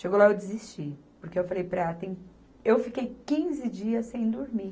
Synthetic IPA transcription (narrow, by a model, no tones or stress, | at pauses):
ʃeɡowlaewd͡ʒɪzist͡ʃipoɾkeewfalejpɾɛt̪ẽj̃ | ewfikejkĩzɪd͡ʒiɐsːẽj̃d̪oɾmi